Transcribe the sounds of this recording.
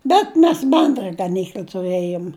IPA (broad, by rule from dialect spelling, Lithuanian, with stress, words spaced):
ˈbʲɛt mʲɛs ˈbʲɛndrɐ ɡɐˈnʲiːklʲɐ tʊˈrɘjoːm